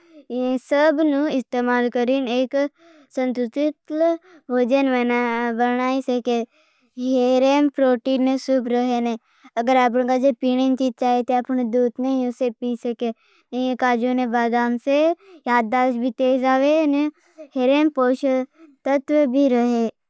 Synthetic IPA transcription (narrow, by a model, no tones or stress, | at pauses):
ẽsəbnũɪst̪eːmaːlkəɾiːneːk | sənt̪ʊt̪ɪt̪l | ʋoːd͡ʒənʋəabənaːisəke | ɦeɾeːmpɾoːʈiːnːesʊbɾəɦeːneː | əɡəɾaːp̬ɽkaːd͡ʒepiːɽ̃ent͡ʃit̪̚t͡ʃaːet̪eaːpɳ̃ed̪uːt̪neĩʊsepiːsəkeː | neẽkaːd͡ʒonẽbaːd̪aːmsejaːd̪̚d̪aːʃbʱit̪eːsaːʋene | heːɾeːmpoːʃət̪ət̪ʋəbʱiːɾəɦeː